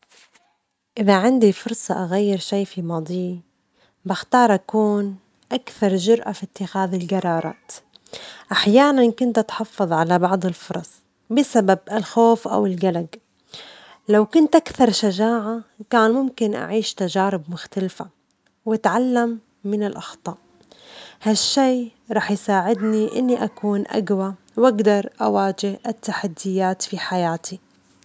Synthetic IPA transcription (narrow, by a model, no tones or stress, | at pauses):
ʔɪðaʕɪnd̪ifʊɾˤsˤɑʔaɣajːɪɾʃaːfimɑːd̪ˤiː | bɪxt̪ɑːɾˤʔakuːn | ʔakθɑɾˤʒʊɾʔafit̪ːɪxaːðɪlɡɑɾˤɑːɾˤɑ̰ːt̪ | ʔaħjaːnankʊnt̪ʔat̪ħɑfːɨðˤʕalabɑʕd̪ˤɪlfʊɾˤɑsˤ | bɪsababɪlxoːfʔa̰wɪlɡalaɡ | lawkʊnt̪ʔakθɑɾˤʃaʒaːʕakaːnmʊmkɪnʔa̰ʕiːʃt̪aʒaːɾɪbmʊxt̪alfa | wat̪ʕalːamː | ɪnɪlʔɑxt̪ˤɑːʔ | haʃːeːɾˤɑːħjsaːʕɪd̪niʔɪ̰nːiʔakuːnʔa̰ɡwa | wʔaɡd̪ɑɾˤʔawaːd͡ʒɪhʔɪt̪ːaħad̪ːɪjaːt̪fiħajaːt̪ʰi